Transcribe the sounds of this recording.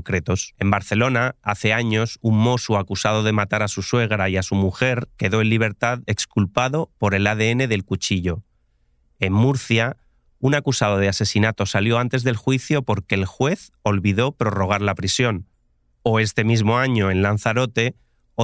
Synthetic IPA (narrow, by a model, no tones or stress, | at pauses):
kɾe̞t̪o̞se̞mbaɾθe̞lo̞naaθe̞aɲo̞summo̞suakusað̞o̞ð̞e̞mat̪aɾasuswe̞ɣ̞ɾaiasumuxe̞ɾke̞ðo̞enliβ̞e̞ɾt̪aðe̞kskulpaðo̞po̞ɾe̞laðe̞e̞ne̞ðe̞lkut͡ʃiʎo̞ | e̞mːuɾθja | unakusað̞o̞ð̞ease̞sinat̪o̞saljo̞ant̪e̞zðe̞lxwiθjo̞po̞ɾke̞ːlxwe̞θo̞lβiðo̞pɾo̞ro̞ɣ̞aɾlapɾisjo̞n | o̞e̞st̪e̞mizmo̞aɲo̞e̞nlan̟θaɾo̞t̪e̞